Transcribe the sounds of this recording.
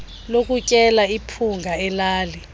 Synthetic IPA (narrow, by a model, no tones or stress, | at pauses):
lok̬ʼucʼɛlaipʰuŋɡʱaɛlaːli